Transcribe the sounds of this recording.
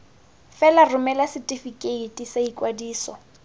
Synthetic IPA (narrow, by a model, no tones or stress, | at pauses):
fɛlarʊmɛlasɪtʼifikʼeitʼisaikʼwadiːsɔ